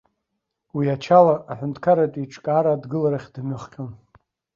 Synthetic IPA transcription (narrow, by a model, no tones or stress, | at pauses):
wiat͡ʃʰalaːħʷʊntʰkʰaɾatʼiʈ͡ʂʼkʼaːɾadɡɨlaɾaχʲdmɨχqʲʼon